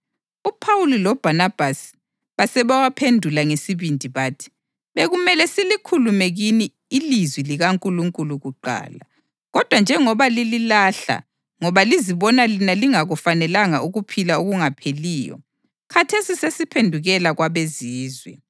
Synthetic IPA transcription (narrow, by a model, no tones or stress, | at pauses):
upʰawulilɔb̥ʱanab̥ʱasi̥ | βasɛβawapʰendʱulaŋesiβindʱiβaːtʰi̥ | βeɣumɛlɛsilikʰulumɛɣiniː | lizwiliɣaŋkʼuluŋkʼuluɣuǃa̰ːla | ɣɔd̥ʱwand͡ʒʱɛŋɔβalililaɬa̰ | ŋɔβaliziβɔnalinaliŋaɣufanɛlaŋaʔuɣupʰilaoɣuŋapʰeliːjɔ̰ | kʰatʰesisesipʰendʱuɣɛlaɣwaβeziːzwɛ̰